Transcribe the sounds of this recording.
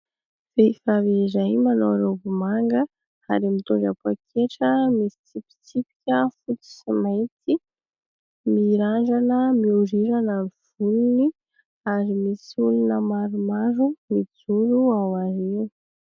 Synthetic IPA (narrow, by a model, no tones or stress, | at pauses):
v̥eifavezajmano̰wɾobumaŋɡə | aɾimit̪oɖ͡ʐapakʰeʈ͡ʂəmisi̥t͡sipi̥t͡sipi̥kʲəfut̪i̥simajt͡si | miɾaɳd͡ʒanəmiuɾiɾanamiv̥ununi | aɾimisulunəmaɾumaɾumid͡zuɾuawaɾiu